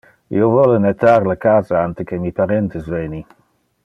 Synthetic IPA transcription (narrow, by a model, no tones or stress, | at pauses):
jowvɔlənɛtʰarləkʰaːzaantʰəkʰɛmipʰaɾɛntʰəsvejni